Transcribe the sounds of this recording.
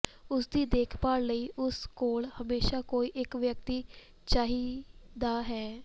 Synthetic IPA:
ʊsd̪iːd̪eːkʰpaːɾləiːʔʊskoːlhəmeːʃaːkoːiːʔɪkʋjək̚t̪iː | t͡ʃaːɦiːd̪aːɦɛː

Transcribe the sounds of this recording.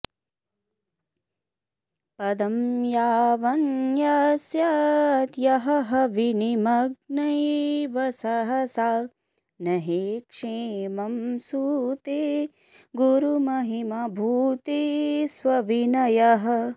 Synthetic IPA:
pɐd̪ɐmjaːʋɐnjɐsjɐt̪jɐɦɐɦɐʋinimɐɡ̚nɐjʋɐsɐɦɐsaː | nɐɦikʂemɐmsuːt̪e | ɡuɾumɐɦimɐbʱuːt̪isʋɐʋinɐjɐɦɐ

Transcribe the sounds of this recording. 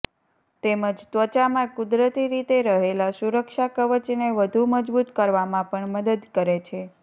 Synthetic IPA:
t̪eməd͡ʒt̪ʋət͡ʃamãkud̪ɾət̪iɾit̪eɾəɦelasuɾəkʃakəʋət͡ʃneʋəd̪ʱuməd͡ʒbut̪kəɾʋamãpəɳməd̪əd̪kəɾet͡ʃʰe

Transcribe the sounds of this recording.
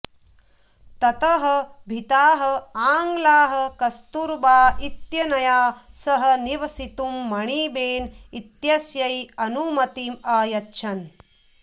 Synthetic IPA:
t̪ɐt̪ɐɦɐbʱit̪aːɦɐ̆aːŋɡlaːɦɐ̆kɐst̪uɾbaːit̪jɐnɐjaːsɐɦɐ̆niʋɐsit̪umːɐɳiːbeːnit̪jɐsjɐjɐnumɐt̪iːmaːjɐtːʃʰɐn

